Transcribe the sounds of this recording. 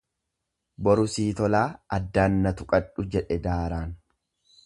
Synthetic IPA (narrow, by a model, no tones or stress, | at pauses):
bɔɾʊsiːt̪ɔlaːɐd̪ːaːnːɐt̪ʊkʼɐᶑʊd͡ʒɛᶑɛd̪aːɾaːn